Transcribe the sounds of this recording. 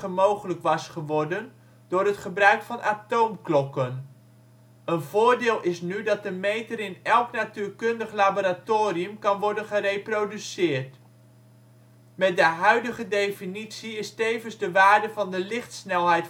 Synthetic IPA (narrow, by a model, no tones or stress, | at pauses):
əmowχələkʋɑsχəʋɔɹdən | dʊːɾɦətχəbrœɥkfɑnʔaːtowmklɔkən | ənvʊːɹdɪːlˠɪsnydɑt̚dəmejtəɾɪnɛlˠknatyːɹkɵndəχlaboːɾatoːriəmkɑnʋɔɹdənχərejprodysɪːɹt | mɛt̚dəɦœɥdəχədejfinitsiɪstejvənzdəʋaːɹdəvɑndəlɪχtsnɛlˠɦɛjt